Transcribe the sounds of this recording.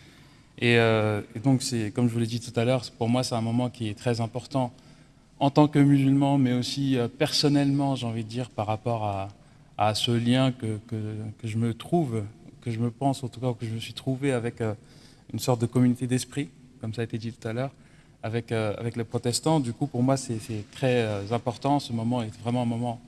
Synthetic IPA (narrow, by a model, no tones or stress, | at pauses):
eøed̪ɔ̃ksɛkɔmʒəvulɛd̪it̪ut̪alœʁspuʁmwasɛt̪ɛ̃mɔmɑ̃kʲiɛt̪χɛzɛ̃pɔʁt̪ɑ̃ | ɑ̃t̪ɑ̃kəmyzylmɑ̃mɛosiøpɛʁsɔnɛlmɑ̃ʒeɑ̃vid̪əd̪iːʁpaʁːapɔʁa | asəljɛ̃kəkəkəʒəmət̪χuvkəʒəməpɑ̃sɑ̃t̪ukaukəʒəməsɥit̪χuveavɛkø | ynsɔʁt̪̚d̪əkɔmynot̪ed̪ɛspχi | kɔmsaet̪ed̪it̪u̥t̪alœːʁ | avɛkøa̰vɛkləpχɔt̪ɛst̪ɑ̃d̪ykupuʁmwasɛsɛt̪χɛøzɛ̃pɔʁt̪ɑ̃səmɔmɑ̃ɛt̪vʁɛmɑ̃ɛ̃mɔmɑ̃